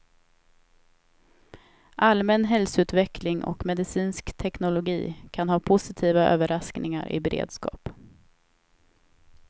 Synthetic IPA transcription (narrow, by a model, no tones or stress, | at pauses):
ʔalmɛnɦɛlsɔʉ̟ːt̪vɛkʰlɪŋʔɔ̰kmɛd̪ɪsiːnskt̪ʰɛknʊlʊɡḭːkʰanhɑːpʰʊsɪt̪ʰiːvaʔø̰ːvəɾʔasknɪŋa̰ɾʔɪ̰bɛɾḛːd̪skɑ̰ːp